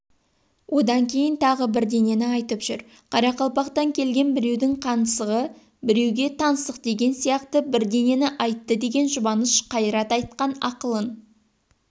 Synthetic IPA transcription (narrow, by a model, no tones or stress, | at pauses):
wʔo̞d̪ɑŋkʲʰe̞jɪnt̪ʰɑʁəbɪɾd̪e̞ne̞nɪɑjt̪əpʒ̥ʏɾ | qʰɑɾɑqɑlˠpɑqt̪ɑŋkʲʰe̞lɡʲe̞nbɪɾe̞wd̪ɪŋqʰɑnəsəʁə | bɪɾe̞wɡʲe̞t̪ʰɑnsəq̚d̪e̞ɡʲe̞nsijɑqt̪əbɪɾd̪e̞ne̞nɪʔɑjt̪ːəd̪e̞ɡʲe̞nʒʊbɑnəʃqʰɑjɾɑt̪ɑjt̪̚qɑnɑqəlˠən